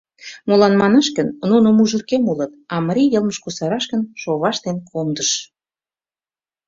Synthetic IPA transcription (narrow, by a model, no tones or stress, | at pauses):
molɑnmɑnəʃkənnunomuʒə̆rkemulɤ̆t̪ɑməɾʲijəlˠməʃkusɑɾɑʃkə̆nʃoβɑʃt̪enkʰomd̪əʃ